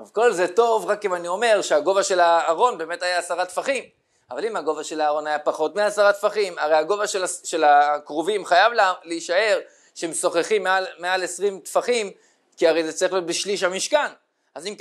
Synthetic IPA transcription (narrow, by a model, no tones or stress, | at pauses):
tovko̞lze̞to̞vʁakimanio̞me̞ʁʃeaɡo̞vaʃe̞laːʁo̞nbe̞ːmetajaːsaʁat̪faχim | avalimaɡo̞vaʃe̞laːʁo̞najapaχo̞t̪miasaʁat̪faχimaʁejhaɡo̞vaʃlaʃe̞lakʁovimχajavlaleiʃae̞ʁ | ʃeemso̞χeχimːealmeale̞sʁimt̪faχim | kiaʁe̞jzet͡saʁilijo̞t̪beʃliʃamiʃkan | azimk